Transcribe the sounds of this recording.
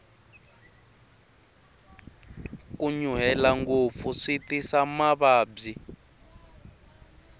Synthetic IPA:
kuɲuɦɛlaŋɡop̪fuʂitisamaβaːb͡ʐi

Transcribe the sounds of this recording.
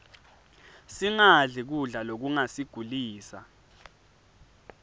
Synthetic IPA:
siŋaɮik̬uɮalok̬uŋasiɡ̥ʱuliːsa̰

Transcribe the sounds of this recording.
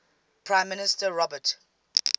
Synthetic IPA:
pʰɹãɪ̃mːɪnɪstəɹɔbət

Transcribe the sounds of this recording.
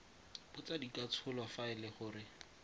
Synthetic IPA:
bʊt͡sadikʼat͡sʰʊlwafaɪlɪχʊːɾɪ

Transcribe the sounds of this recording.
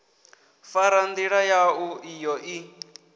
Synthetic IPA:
faɾand̪iɺajauijɔʔi

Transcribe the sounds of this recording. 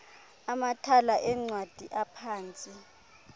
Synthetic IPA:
amatʰalaʔɛŋ͡ǀwad̥ʱiʔapʰaːnt͡sʼi

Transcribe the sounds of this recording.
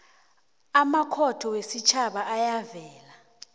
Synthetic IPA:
amakʰɔtʰɔwesit͡ʃʰaɓaʔajavɛːla

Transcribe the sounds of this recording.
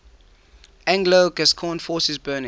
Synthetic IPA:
ʔæ̃ŋɡloɡɛskʰɔ̃nfɔˑsɛzbɜːnɪ̃

